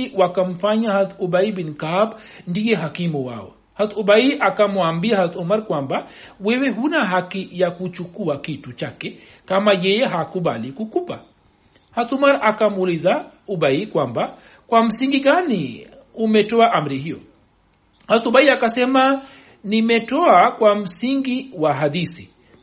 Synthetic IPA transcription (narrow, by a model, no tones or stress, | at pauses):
wakam̩faɲahat̪uɓaiɓinkab | ndiɛɦakimuwa̰ɔ̰ | hat̪uɓaiʔakamuambiahat̪umaɾkwambawɛwɛɦunaɦakijakut͡ʃukuakitut͡ʃakɛ | kamajɛjɛɦakuɓalikukupa̰ | hatumaɾakamuːlizauɓaikwamba | kwam̩siŋɡiɠani | umɛtɔaʔam̩ɾihijɔ̰ | hatuɓaiakasɛma | nimɛtɔakwam̩siŋɡiwaɦaðisi